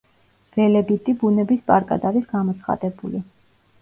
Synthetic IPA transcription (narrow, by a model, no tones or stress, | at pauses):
vɛlɛbit̪ʼibunɛbispʼaɾkʼa̰d̪aɾisɡamɔt̪sʰχa̰d̪ɛbuli